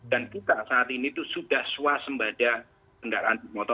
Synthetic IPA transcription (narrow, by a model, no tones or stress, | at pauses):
d̥ankit̪asaːt̪init̪usuɖ̥ahsuasəmbad̥a | t̪əŋɡaɾanmɔt̪ɔ